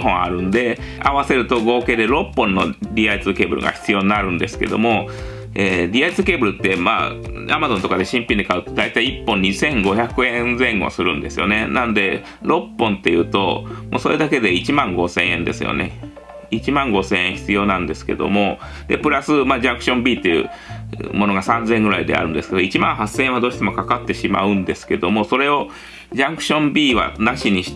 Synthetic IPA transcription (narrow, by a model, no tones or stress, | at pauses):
ɦõa̰ɾɯ̟̃nd̪e̞ | a̰βase̞ɾɯ̟t̪o̞ɡo̞ːke̞ːd̪e̞ɾo̞pːõ̞nːo̞̰ɾʲiait͡sɨke̞ːbɯ̟ɾɯ̰ɡa̰çʲi̥t͡sɨjo̞ːɲinaɾɯ̟̃nd̪e̞sɨ̥ke̞̰d̪o̞̰mo̞ | eːɾʲiait͡sɨke̞ːbɯ̟ɾɯ̟t̪ːe̞ma̰ | a̰mazont̪o̞kad̪e̞ɕĩmpʲĩɲd̪ekaɯ̟t̪ːod̪ait̪aiipːõ̞ɲ̟isẽ̞ŋɡo̞çakɯ̟ẽ̞nzẽ̞ŋɡo̞̰sɨɾɯ̟̃nd̪e̞sɨjo̞̰ne̞nãnd̪e̞ | ɾo̞pːõ̞nt̪ːe̞jɯ̟ːt̪o̞̰moːso̞ːɾed̪ake̞d̪e̞it͡ɕimãŋɡo̞sẽ̞ɰ̃ẽ̞nd̪e̞sɨ̰jo̰ne̞̰ | it͡ɕimãŋɡo̞sẽ̞ɰ̃ẽçi̥t͡sɨjo̞ːnãnd̪e̞sɨ̥ke̞̰d̪o̞̰mo̞ | d̪̥e̞̰pɯ̟ɾasɨmaːd͡ʑãŋkɯ̟ɕõ̞mbʲiːt̪ːe̞jɯ̰ | mo̞no̞ɡasãnzẽ̞ŋɡɯ̟ɾaid̪e̞̰a̰ɾɯ̟nd̪esɨ̥ke̞d̪oit͡ɕimãɰ̃hasẽ̞ẽad̪o̞ːɕi̥t̪emokakat̪ːe̞ɕima̰ɯ̟̃nd̪e̞sɨ̥ke̞d̪o̞mo̞so̞ɾe̞o̞ | d͡ʑãŋkɯ̟̥ɕõ̞mbʲiːβa̰naɕiɲ̟iɕi̥